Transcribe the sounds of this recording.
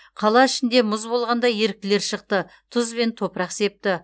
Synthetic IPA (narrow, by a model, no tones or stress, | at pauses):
qʰɑlˠɑɪʃɪnd̪e̞mʊzbo̞lˠʁɑnd̪ɑje̞ɾɪk̚t̪ɪleɾʃəq̚t̪ə | t̪ʰʊzbe̞nt̪ʰo̞pɾɑqse̞p̚t̪ɪ